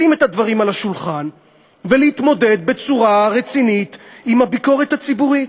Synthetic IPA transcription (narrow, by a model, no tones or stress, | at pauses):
ime̞t̪had̪vaʁimalhaʃulχan | veleit̪mo̞de̞d̪̚be̞t͡suʁaʁet͡sinit̪imhabiko̞ʁet̪hat͡sibuʁi